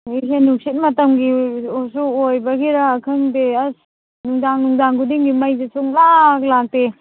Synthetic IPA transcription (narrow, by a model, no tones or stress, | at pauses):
ɯjsenuŋsit̚mɐtɐmɡiosuojbɐɡiɾaːkʰɯŋdeɐs | nuŋdaŋnuŋdaŋɡudiŋɡimajzesʰuŋlak̚lak̚te